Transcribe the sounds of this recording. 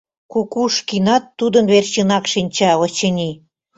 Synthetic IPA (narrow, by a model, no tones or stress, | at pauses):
kukuʃkinɑt̪ːud̪ənβert͡ɕənɑkʃinʲt͡ɕɑɤt͡ɕənʲi